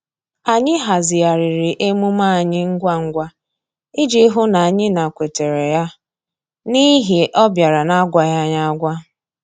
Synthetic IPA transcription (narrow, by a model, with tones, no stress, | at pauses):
a˨ɲɪ˦ɦa˨zɪ˨a˨ɾɪ˨ɾɪ˨ʔe˦mu˦ma˦a˨ɲɪ˦ŋ̩˦ɡʷa˦ŋ̩˦ɡʷa˦ | ɪ˦d͡ʒe˦ɦʊ˦na˨a˨ɲɪ˦na˨kʷe˨te˨ɾe˨ja˦ | ni˦ɦi˨ʔɔ˦bja˨ɾa˨na˦ɡʷa˨ja˦ɲa˦a˦ɡʷa˦